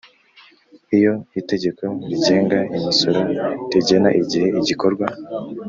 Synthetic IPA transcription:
ijo̞ite̞ɟe̞ko̞ɾiɟe̞ːŋɡaimiso̞ɾoɾiɟe̞naʔiɟihe̞iɟiko̞ɾɡwa

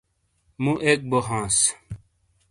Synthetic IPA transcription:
mũʔek̚boɦãːs

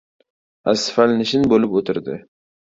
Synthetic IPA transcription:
asfalnɪʃɪnbolɪpot̪ɪɾd̪ɪ̰

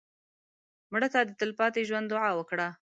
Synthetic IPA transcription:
mɽət̪ɑd̪ət̪ɪlpɑt̪eʒwand̪ʊʕɑwəkɽa

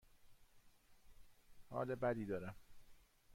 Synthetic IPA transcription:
hɒ̰ːlebæd̪iːd̪ɒːɾæm

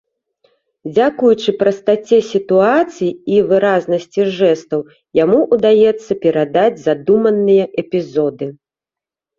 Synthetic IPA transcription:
d͡zʲakujut͡ʂɨpɾɐst̪at͡sʲɛsʲit̪uat̪sɨjiivɨɾaznɐsʲt͡sʲiʐɛst̪ɐw | jamuʔud̪ajɛt̪sːɐpʲɛɾad̪ad͡zʲzad̪umɐnːɨjɐʔɛpʲizɔd̪ɨ

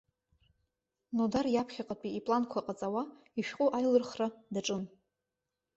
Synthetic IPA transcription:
nodarjapʰχʲaqʼapʼiipʼlankʷʰaqʼat͡sʼawa | iʃᶣqʼʊʔajlɨrχradaʈ͡ʂʼɨn

